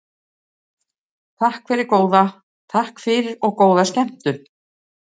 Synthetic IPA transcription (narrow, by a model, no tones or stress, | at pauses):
t̪ʰahkʰfɛːɾɪɾkoːwða | t̪ʰahkfɪɾɪɾɔɣkoːwðascɛm̥t̪ʏ̥